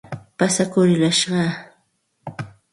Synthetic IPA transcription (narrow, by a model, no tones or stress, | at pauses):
pasakʊɾɪlaʃɢɑː